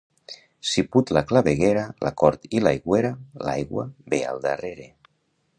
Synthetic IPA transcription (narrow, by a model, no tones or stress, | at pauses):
siput̪laklaβeɣeɾalʔa̰kɔɾt̪ilajɣweɾala̰jɣwa̰bea̰lˠd̪areɾe